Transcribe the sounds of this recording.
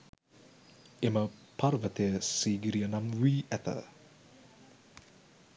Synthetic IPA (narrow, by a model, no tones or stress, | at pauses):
eməpʰarvət̪ʰesiɡiɾiənamwiɛt̪ʰə̰